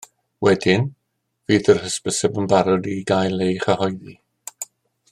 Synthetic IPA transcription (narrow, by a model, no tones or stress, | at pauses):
wɛdɪn | viːðərhəspəsɛbənbaɾɔdiɡajlˠejχəhɔjði